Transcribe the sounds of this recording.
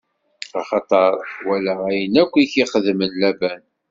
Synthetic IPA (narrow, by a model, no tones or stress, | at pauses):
ɑχɑt̪ˤɑɾˤwælææjənækʷːiçiχəðmənlæbæn